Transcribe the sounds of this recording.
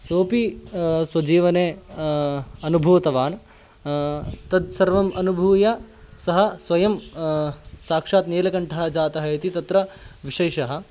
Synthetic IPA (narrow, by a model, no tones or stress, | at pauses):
soːpiswɐd͡ʒiːʋɐneː | ɐnubʱuːʋɐt̪ɐʋaːn | t̪ɐd̪sɐɾʋɐmɐnubʱuːjɐ | sɐɦɐ̆sʋɐjɐm | saːkʂaːt̪neːlɐkɐɳʈʰɐɦɐ̆d͡ʒaːt̪ɐɦɐjt̪it̪ɐt̪ɾɐʋiʂɐjʃɐɦɐ̆